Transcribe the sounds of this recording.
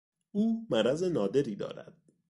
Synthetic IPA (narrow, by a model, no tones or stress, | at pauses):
ʔuːmæɾæze̞nɒːd̪e̞ɾiːd̪ɒ̰ːɾæ̰d̪̥̚